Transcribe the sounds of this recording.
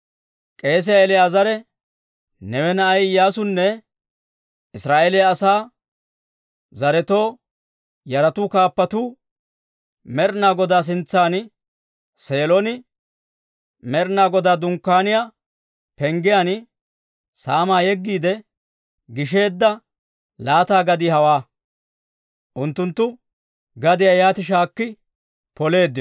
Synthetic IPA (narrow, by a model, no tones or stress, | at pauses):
kʼe̞ːs̬ɪjaɛlɪjaːzɐɾɛ | nɛwɛnɐʔɐjjaːsʊnːɛ | ɪsɾaːʔelɪjɐːsaː | zɐɾɛt̪o̞ː | jɐɾɐt̪ʊkaːpːɐt̪u | mɛɾnaːɡɔd̪aːs̬ɪnt͡sːaːn | se̞ːlɔnɪ | mɛɾnaːɡɔd̪aːd̪ʊŋkːaːnɪjaː | pɛŋɡɪjaːn | saːmaːjɛɡːiːd̪ɛ | ɡɪʃ̬e̞ːd̪ːɐ | laːt̪aːɡɐd̪ɪhɐwaː | ʔʊnt̪ːʊnt̪ːʊ | ɡɐd̪ɪjajaːt̪ɪʃ̬aːkːɪ | pɔle̞ːd̪ːɪ